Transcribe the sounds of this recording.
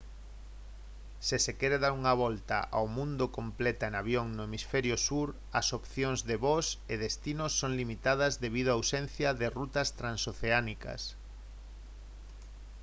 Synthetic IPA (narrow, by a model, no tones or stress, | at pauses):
sesekɛɾeðaɾuŋaβ̞ɔlt̪a̰ʔa̰wmũnd̪ʊkomplɛt̪aenaβjoŋnʊemisfɛɾjʊsuɾ | ɐsopθjoŋzðeβɔseðest̪inʊsːoŋlimit̪að̞ɐzðeβ̞iðoawsẽn̟θjɐðɪrut̪ɐst̪ɾansoθeanikɐ̰s